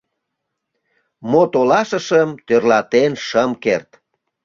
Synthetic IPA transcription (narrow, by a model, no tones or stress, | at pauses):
mot̪olɑʃəʃəmt̪ørlɑt̪enʃəmkert̪